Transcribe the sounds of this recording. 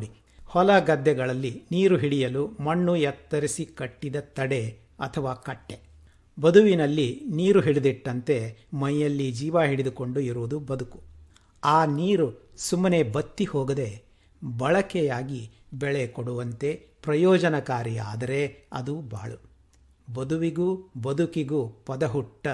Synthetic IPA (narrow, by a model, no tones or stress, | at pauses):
ɽi | hɔlɐɡɐd̪ːɛɡɐɭɐlːiniːɾuɦiɽijɐlumɐɳːujɛt̪ːɐɾisikɐʈːid̪ɐt̪ɐɽe̞ | ɐ̰t̪ʰɐʋaːkɐʈːe | bɐd̪uʋinɐlːiniːɾuɦiɽid̪iʈːɐnt̪e̞mɐjjːɐlːid͡ʒiːʋaɦiɽid̪uko̞ɳɖuiɾuʋud̪ubɐd̪uku̥ | aːniːɾusumːɐne̞bɐt̪ːihɔːɡɐd̪e̞ | bɐɭɐkɛjaːɡi | bɛɭekoɽuʋɐnt̪e̞ | pɾɐjɔːd͡ʒɐnɐkaːɾia̰ːd̪ɐɾe̞ɐ̰d̪uba̰ːɭu | bɐd̪uʋiɡubɐd̪ukiɡupɐd̪ɐɦuʈːɐ